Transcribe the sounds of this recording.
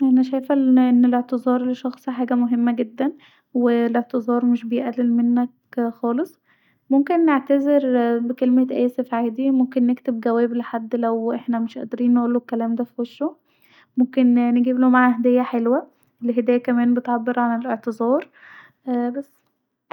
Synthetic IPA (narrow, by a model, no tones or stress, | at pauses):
ʔænæʃæjfæʔenːeleʕt̪ezˤɑːɾˤliʃɑxsˤhħaːɡæmoɦemːæɡed̪ːæn | weleʕt̪ezˤɑːɾˤmeʃbejʔælːelmenːæk | xɑːlesˤ | momkenːeʕt̪æzeɾbekelmet̪ʔæːsefʕaːd̪imomkenːekt̪ebɡæwæːbleħad̪ːlæwʔeħnæmeʃʔæ̰ʔd̪eɾiːnːeʔuːlːokːælæːmd̪æfiweʃːo | momkenneɡiːblomaʕahd̪ejːæħelwæ | ʔlɦed̪æːjækæmæːnbet̪ʕabːeɾʕaleleʕt̪ezˤɑːɾˤ | ʔæːbæsː